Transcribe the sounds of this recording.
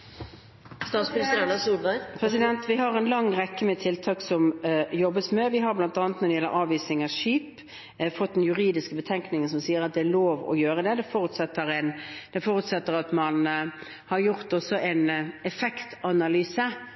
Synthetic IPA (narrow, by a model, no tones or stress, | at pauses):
st̪ɑːt̪smɪnɪst̪əæɳɑsuːlbæɪpʰɾɛsɪd̪ɛnt̪ʋɪɦɑɾɛnlɑŋːʁɛkːəmɛt̪ʰɪlt̪ʰɑːksɔmjɔbːəsmɛʋɪɦɑɾblɑnt̪ɑːnət̪nɔɾd̪ɛjɛlːə̰ɾʔɑːʋiːsnɪŋɑʂiːp | fɔt̪̚d̪ɛnjʉɾiːd̪ɪskəbət̪ʰɛŋknɪŋənsɔmsiːəɾɑt̪̚d̪ɛæɾloːʋɔ̰jøːɾəd̪ɛd̪ɛfɔɾʉt̪sɛt̪ːəɾɛɪnd̪̥ɛfɔɾʉt̪sɛt̪ːəɾɑt̪mɑn | hɑɾjʊɾt̪ɔsːɔʔæɪnɛfɛkt̪ɑnɑlyːsə